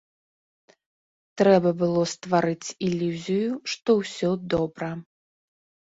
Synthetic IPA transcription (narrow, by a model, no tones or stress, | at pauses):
t̪ɾɛbɐbɨlˠɔst̪vaɾɨt͡sʲilʲuzʲijuʂt̪ɔwsʲɔd̪ɔbɾɐ